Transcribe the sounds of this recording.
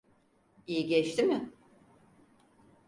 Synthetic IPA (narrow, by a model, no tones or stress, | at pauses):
ijiɟɛt͡ʃt̪imɪ